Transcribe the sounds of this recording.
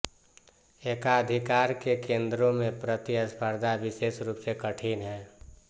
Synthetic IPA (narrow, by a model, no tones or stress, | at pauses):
eːkaəd̪ʱikaːɾkekẽːnd̪ɾõmẽpɾət̪iəspʰəɾd̪ʱabɪseːsɾuːpsekəʈʰiːnɦɛː